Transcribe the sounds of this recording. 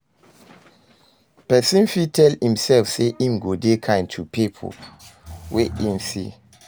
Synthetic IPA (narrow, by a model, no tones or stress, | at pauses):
pɛsĩnfitʰɛlhĩmsɛlfseʔĩmɡodekʰãɪ̃ntʰupipʰo̰ | wʔeĩnsḭ